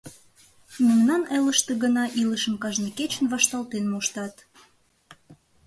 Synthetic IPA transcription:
mumnɑneləʃt̪eɣənɑʔiləʃəmkɑʒneket͡ɕənvɑʃt̪ɑlt̪enmoʃt̪ɑt̪

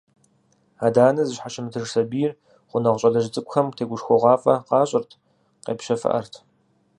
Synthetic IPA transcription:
aːdaːnɐzɨɕħaʃɪmɨtʰɨrsɐbiːjɪr | χʷʊnɐʁʷɕʼɐɮɐʒɪt͡sʼɨkʷʼʊxɐmtʰeːɡʷʊʂxʷɔʁʷɑːfʼɐqɑːɕʼɪrtʰ | qḛːpʃɐfɨ̰ʔɐ̰rtʰ

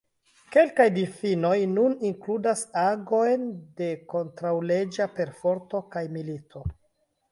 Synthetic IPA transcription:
ke̞lkajdifino̞jnuniŋkludasaɡo̞jnde̞ko̞ntɾawle̞d͡ʒape̞ɾfo̞ɾto̞kajmilitʰo̞

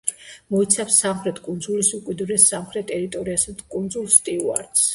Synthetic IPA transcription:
mɔit̪sʰafsːamχɾɛt̪ʰkʼund̪zulisukʼwid̪ɾɛsamχɾɛt̪ʰɛɾit̪ʼɔɾiasad̪kʼund̪zulˠst̪ʼiua̰ɾt̪s

